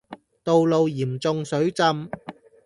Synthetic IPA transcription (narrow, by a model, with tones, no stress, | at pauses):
t̪o˨wlo˨wjiː˨˩mt͡sʊ˧ŋsɵ˨˥ɥt͡sɐ˧m